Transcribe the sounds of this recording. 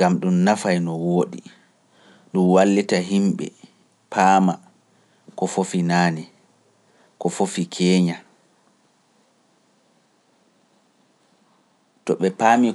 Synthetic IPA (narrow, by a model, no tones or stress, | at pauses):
amɗumnafajnɔwoːɗḭ | ɗumwalːitaɦimɓɛ̰ | pʰaːma | kɔfofinaːnɛ | kɔfofikʰɛːɲa | tɔɓɛpaːmi